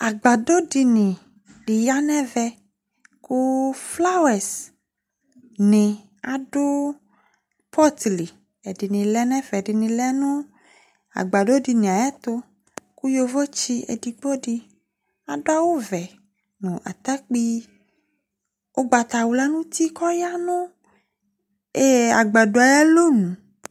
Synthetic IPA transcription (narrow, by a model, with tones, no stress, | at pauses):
a˨ɡ͡ba˨ɖo˦ɖi˨nĩ˨ | ɖi˨ja˦nɛ̃˦vɛ˦ | ku˦fla˦wɛ˨s | nẽ˨ | a˨ɖo˦ | pʰɔ˦t̪li˨ | e˨ɖi˨nĩ˨lɛ˦nɛ̃˦vɛ˨ɖi˨nĩ˨lɛ˦nũ˦ | a̰˨ɡ͡ba˨ɖo˦ɖi˧nĩ˨a˨jɛ˦t̪o˦ | ku˦jo˦vɔ˦t͡ʃi˦ḛ˨di˨k͡po˦ɖi˦ | a˨ɖo˦a˦wo˦vɛ˨ | nũ˨ʔa̰˨t̪a˦k͡pi˦ | wʔo˦ɡ͡ba˨t̪a˨wu˨la˦nũ˦t̪i˦kɔ˦ja˦nõ˦ | e˦a˨ɡ͡ba˨ɖo˨a˨jɛ˦lo˦nũ˨